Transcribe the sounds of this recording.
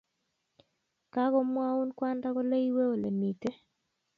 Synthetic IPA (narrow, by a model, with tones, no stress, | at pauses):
ka˦ɡɔ˦mwa˦u˦nkwa˦nda˦ɡɔ˦le˦i˦we˦o˨le˨mi˨te˦